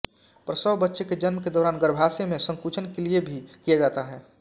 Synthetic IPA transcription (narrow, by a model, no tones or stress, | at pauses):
pɾsəbbətːʃeked͡ʒənmked̪ɔːɾaːnɡəɾbʱaːsemẽsə̃ŋkuːt͡ʃʰənkeliebʱikijad͡ʒaːt̪aɦɛː